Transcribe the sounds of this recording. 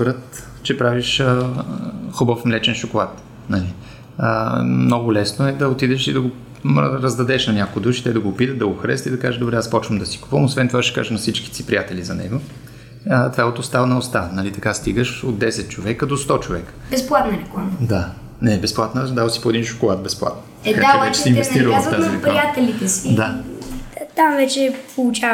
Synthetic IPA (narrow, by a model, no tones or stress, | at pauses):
pɾət̪ | t͡ʃɛpɾaviʃə | xʊbəfmlɛt͡ʃɛnʃʊkolˠat̪ | nɐli | əmnɔɡʊlɛsnoɛd̪ɐot̪id̪ɛʃid̪ɐɡo | ɾɐzd̪ɐd̪ɛʃnɐnʲakoɡid̪uʃi̥t̪ɛd̪ɐɡoːpit̪ət̪̚d̪ɐɡoxɐɾɛ̰st̪id̪ɐkaʒəd̪obɾɛaspɔt͡ʃvəmd̪ɐsi̥ku̥pəmosvɛnt̪ovaʃɛ̥ka̰ʒənɐfsit͡ʃki̥t̪sipɾijat̪ɛlizɐnɛ̰ɡo | t̪vaot̪ost̪avnɐost̪anɐlit̪ɐkast̪iɡəʃod̪d̪ːɛsɛt̪̚t͡ʃovɛkəd̪ost̪ɔt͡ʃovɛkə̥bɛsplˠat̪nɐɾɛkˠand̪a | nɛbɛsplˠat̪nəd̪avəsi̥poɛd̪inʃʊ̥kolˠat̪̚bɛsplˠa̰t̪n | kaaɛt͡ʃɛ̥inɛsiɾəlˠfaziɾɛkɾijat̪ɛlit̪ɛsid̪a | t̪amvɛt͡ʃɛpolˠut͡ʃa